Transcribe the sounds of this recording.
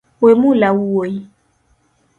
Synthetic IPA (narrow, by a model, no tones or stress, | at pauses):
wemũlawuwoi